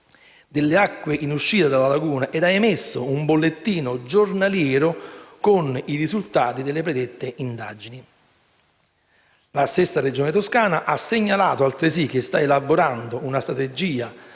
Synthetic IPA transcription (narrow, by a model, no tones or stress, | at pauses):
d̪ɪlːeakːweʔinuʃːiːt̪ad̪alalaɡuːnaʔed̪aemesːʊumbolːet̪ːiːnʊd͡ʒornaljɛːɾʊkʊnirizult̪aːt̪id̪elːɪpɾed̪et̪ːeʔind̪a̰ːd͡ʒini | lasesːared͡ʒoːnɪt̪oskaːnaʔasːeɲːalaːt̪oalt̪ɾɪsik̟ːest̪aelabːoɾand̪ʊunast̪ɾat̪ed͡ʒiːa